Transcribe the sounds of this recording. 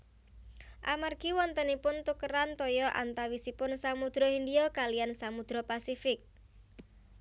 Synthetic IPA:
ʔamarɡ̥iwɔnt̪ənipʊnt̪ukəɾant̪ɔjɔʔa̰nt̪awisipʊnsamud̪̥ɾɔhind̪iɔkalijansamud̪̥ɾɔpasifɪk̚

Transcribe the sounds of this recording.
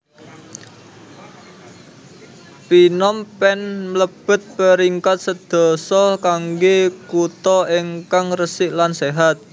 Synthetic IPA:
pinɔmpɛnmləb̥ə̤t̪̚pəɾiŋkat̪̚səd̪̥ɔ̤sɔkaŋɡekut̪ɔiŋkaŋrəsɪʔlanseɦat̪̚

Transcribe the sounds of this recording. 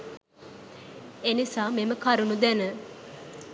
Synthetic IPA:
enisaːmeməkaɾunud̪ɛnə

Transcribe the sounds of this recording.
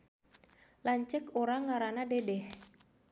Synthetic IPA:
laɲt͡ʃɛkoɾaŋːaɾanadedɛh

